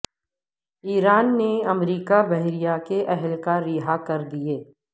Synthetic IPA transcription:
iːɾaːnːeɐmɾiːkabɛɦɾijakeʔɛɦɛlkaɾːiɦakɐɾd̪ieː

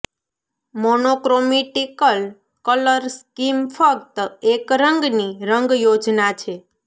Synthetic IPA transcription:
monokɾomiʈikəl | kələɾskimfək̚t̪əekɾəŋɡniɾəŋɡjod͡ʒnat͡ʃʰe

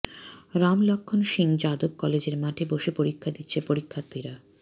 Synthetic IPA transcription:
ɾamlɔkʰːonʃiŋd͡ʑad̪ob̚kɔled͡ʑeɾmaʈʰeboʃepoɾikʰːad̪itːɕʰepoɾikʰːat̪ːiɾa

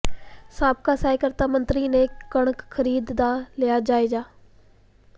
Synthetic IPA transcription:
saːb̚kaːsaːɪkəɾt̪aːmənt̪ɾiːneːkəɳ̃əkkʰːəɾiːd̪d̪aːlɪjaːd͡ʒaːeːd͡ʒaː

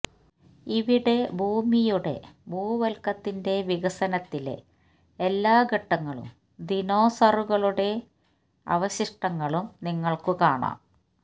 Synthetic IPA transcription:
iʋiɽe̞bʱuːmijuɽe̞̰bʱuːʋɐlkɐt̪ːinde̞ʋiɣɐsɐnɐt̪ːilḛ | elːaːɡʱeʈːɐŋːɐɭṵm | d̪ino̞ːsɐruɣɐɭuɽe̞ | ɐ̰ʋɐɕiʂʈɐŋːɐɭumniŋːɐɭkɨkaːɳa̰ːm

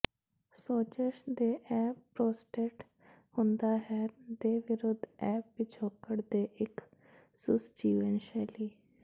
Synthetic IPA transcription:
soːt͡ʃəʃd̪eːʔɛːp̚pɾoːsʈeːʈ | hʊnd̪aːɦɛːd̪eːʋɪɾʊd̪ʱɛːp̚ʋɪt͡ʃʰoːkːəɽd̪eːʔɪk | sʊ̰sd͡ʒiːʋənʃɛːliː

